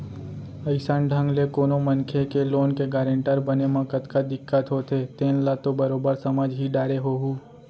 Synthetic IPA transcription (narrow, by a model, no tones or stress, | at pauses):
əɪsaːnɖʱə̃ŋɡlekoːnomɐ̃nkʰekeloːnkeɡaːɾə̃ɳʈəɾbɐnemãkət̪kad̪ɪkːət̪ɦot̪eːt̪ẽːnlat̪obɐɾoːbəɾsɐməd͡ʒɦiɖaːɾeɦoːɦuː